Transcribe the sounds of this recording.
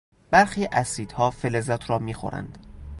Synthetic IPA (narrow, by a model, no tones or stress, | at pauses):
b̥æɾxiːʔæsiːd̪̥hɒːfelezæt̪ʰɾɒːmiːxo̰ɾæ̰nd̪̥